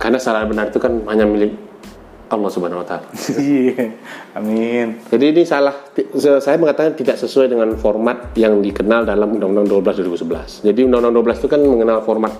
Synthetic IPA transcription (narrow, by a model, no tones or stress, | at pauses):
karnasalabənarit̪ukanbaɲamilɪk | ʔɑlːɔhsubəanawat̪ala | amind͡ʒadiːnisalaht̪isəsajaməŋat̪akant̪idaʔsəsuajdəŋanfɔrmat̪̚jaŋdikənaldalamundaŋundaŋduabəlasduaɾibusəbəla̰sd͡ʒadiundaŋundaŋduabəlasit̪ukanməŋənalfɔrmat̪̚